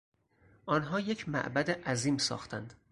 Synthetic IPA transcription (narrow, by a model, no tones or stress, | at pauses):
ʔɒːnɦɒːje̞cʰmæ̰ʔbæd̪eʔæziːmsɒ̰ːxt̪ʰænd̪̥